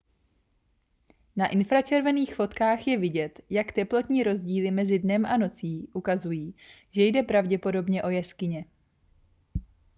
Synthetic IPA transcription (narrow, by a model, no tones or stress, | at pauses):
naʔɪnfɾat͡ʃɛɾvɛniːxfo̞t̪kaːxjɛvɪɟɛt̪jakt̪ɛplo̞t̪ɲiːɾo̞zɟiːlɪmɛzɪdnɛmʔano̞t͡siːʔukazujiː | ʒɛjdɛpɾavɟɛpo̞do̞bɲɛʔo̞jɛskɪɲɛ